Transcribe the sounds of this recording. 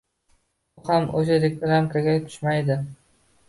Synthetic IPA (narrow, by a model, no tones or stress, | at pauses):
ʊhamoʃaɾek̚ɾamkʰaɡʲat̪ʰʊ̥ʃmajd̪ɪ